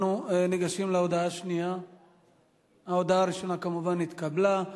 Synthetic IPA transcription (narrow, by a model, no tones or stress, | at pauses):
nuniɡaʃimlaod̪aaʃnia | aod̪aaːɾiʃo̞nakamuvanːit̪kabla